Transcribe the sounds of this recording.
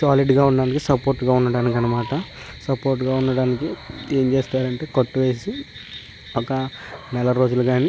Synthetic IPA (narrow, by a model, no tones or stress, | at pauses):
saːliɖɡaːuɳːɐɖaːnikisɐpo̞ːɾʈːɡaːunːɐɽaːnikɐnːɐmaːʈɐ | sɐpo̞ːɾʈ̬ːɡaːunːɐɽaːnikie̞ːɲt͡ʃe̞ːst̪aːɾɐɳʈe̞ːkoʈːuʋe̞ːsi | ɔkɐnɛlɐɾo̞ːd͡ʒuluɡaːni